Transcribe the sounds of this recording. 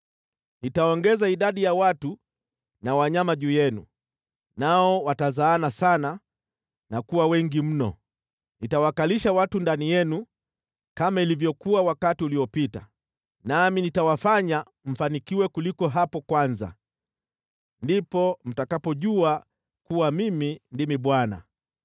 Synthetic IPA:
nitaɔŋɡɛzaiɗaɗijawatu | nawaɲamaʄuːjɛnṵ | naɔwatazaːnasana | nakuwawɛŋɡim̩nɔ̰ | nitawakaliʃawatundanijɛnu | kamailivjɔkuawakatiuliɔpita̰ | naminitawafaɲa | m̩fanikiwɛkulikɔɦapɔkwanza̰ | ndipɔm̩takapɔʄua | kuwamimindimiɓwana̰

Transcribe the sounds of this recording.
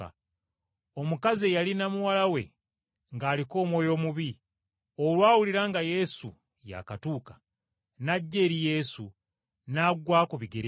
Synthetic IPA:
o̞mukaziejalinamuwalawe̞̰ | ŋɡaːliko̞ːmwo̞ːjo̞ːmuβi | o̞lwaːwuliɾaŋɡaje̞sṵ | ja̰katuːkḁ | naɟːe̞ːɾije̞su | naːɡwaːkuβiɡeɾ

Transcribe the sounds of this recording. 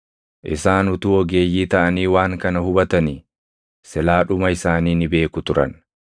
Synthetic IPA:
ʔɪsaːnʊt̪uːɔɡe̞ːjːiːt̪ɐʔɐniːwaːŋkɐnɐhʊbɐt̪ɐni | sɛlaːᶑʊmɐɪsaːniːnɪbe̞ːkʊt̪ʊɾɐ̰n

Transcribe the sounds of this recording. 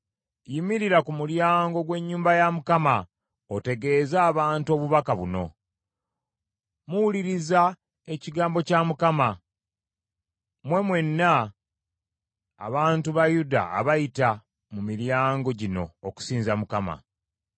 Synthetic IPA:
jimiɾiɾakumuljaːŋɡo̞ɡwe̞ɲːuːmbajamukama | ote̞ɡe̞zaːβaːntuo̞ːβuβakaβuno̞̰ | muwuliɾiza | e̞ciɡaːmbo̞camukama | mwe̞mwe̞nːa | βaːntuβajuda̰ːβajita | mumiɾjaːŋɡo̞ɟino̞̰ːku̥siːnzamukama̰

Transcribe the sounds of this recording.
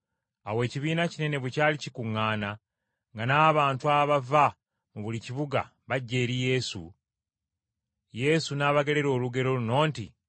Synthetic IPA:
awe̞ːciβiːnacine̞ne̞βwecaːlicikuŋːaːna | ŋɡanaːβaːntuaβava | muβuliciβuɡa̰ | βaɟːe̞ːɾije̞ːsṵ | je̞sunaːβaɡe̞ɾe̞ɾo̞ːluɡe̞ɾo̞luno̞ːnti

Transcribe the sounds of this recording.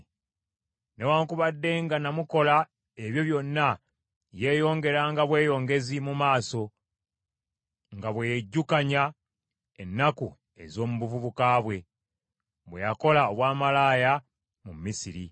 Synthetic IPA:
ne̞waːŋkuβadːe̞ŋɡanamuko̞la | e̞βjo̞βjo̞nːa | je̞ːjo̞ːŋɡe̞ɾaŋɡaβwe̞ːjo̞ːŋɡe̞zimumaːso̞ | ŋɡaβwejeɟːukaɲa | e̞nːaku | e̞̰zo̞ːmuβuvuβukaβwe̞ | βwe̞̰jako̞laoβwaːmalaːja | mumːisiɾḭ

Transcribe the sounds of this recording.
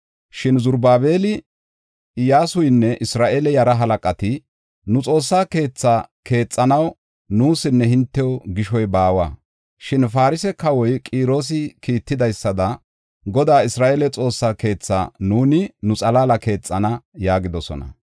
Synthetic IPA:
ʃɪnzʊɾbaːbe̞ːlɪ | jaːsʊjnːɛʔɪsɾaːʔeːlɛjɐɾɐɦɐlɐkʼɐt̪ɪ | nʊt͡sʼo̞ːsːaːke̞ːt͡sːaːkʰe̞ːt͡sʼːɐnɐw | nuːsɪnːɛhɪnt̪ːɛwɡɪʃɔjbaːwaː | ʃɪnfaːɾɪsɛkɐwɔjkʼiːɾo̞ːs̬ɪkiːt̪ːɪd̪ɐjsːɐd̪ɐ | ɡɔd̪aːɪsɾaːʔeːlɛt͡sʼo̞ːsːaːke̞ːt͡sːa̰ːnuːnɪnʊt͡sʼɐlaːlɐke̞ːt͡sʼːɐnɐjaːɡɪd̪ɔsɔ̰nɐ̰

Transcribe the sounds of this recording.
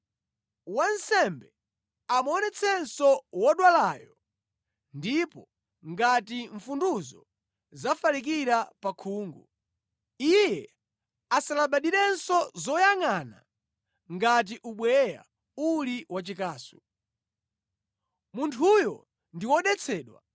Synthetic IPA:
wansɛmbɛ | amɔnɛt͡sʰɛnsɔwɔɗwalaːjɔ | ndipɔ | ŋɡatiɱfunduzɔ | zafalik̬iɾapakʰuːŋɡu | ijɛ | asalaɓaɗiɾɛnsɔzɔjaŋana̰ | ŋɡat̬iʔuɓwɛja̰ | uliwat͡ʃikaːsu̥ | muntʰujɔ̰ | ndiwɔɗɛt͡sʰɛːɗwa̰

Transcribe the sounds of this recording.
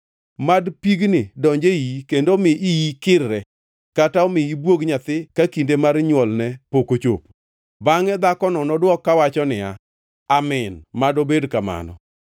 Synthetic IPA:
madpiɡnɪdɔɲd͡ʒeikendomɪʔijikɪɾɾɛ | kataɔmɪibwoɡɲat̪ɪkakindemarɲwɔlnɛpokot͡ʃo̰p | baŋɛd̪akɔnɔnɔdwɔkːawat͡ʃɔnɪa̰ | amɪnmadobedkama̰nɔ̰

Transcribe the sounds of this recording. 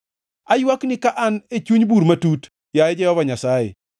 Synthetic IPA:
ajwaknɪkaʔanet͡ʃuɲbuɾmatut | jaɛd͡ʒɛhɔvaɲasajḛ

